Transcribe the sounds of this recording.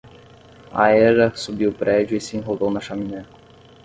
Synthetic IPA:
ɐ̰ɛɾɐsubiwpɾɛd͡ʒʊisɪẽɦovownɐʃɐminɛk

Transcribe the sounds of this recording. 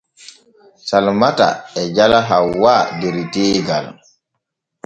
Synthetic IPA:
salmata̰ɛd͡ʒalaɦawːaːdɛɾitɛːɡa̰l

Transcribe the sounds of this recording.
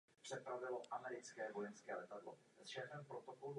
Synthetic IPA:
pr̝̥ɛpɾavɪlo̞ʔamɛɾɪt͡skɛːvo̞jɛnskɛːlɛt̪adlo̰ | sʃɛːfɛmpɾot̪o̞kolu

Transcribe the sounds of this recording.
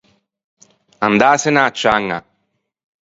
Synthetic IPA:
and̪aːsenaːt͡ʃːaːŋːa̰

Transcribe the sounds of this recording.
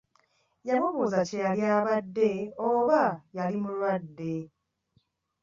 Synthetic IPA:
jamuβuzacealjaːβadːeoβajalimulwadːe

